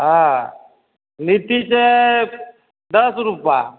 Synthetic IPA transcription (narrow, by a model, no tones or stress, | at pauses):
ɦa | nit̪it͡ɕe | d̪əsɾupa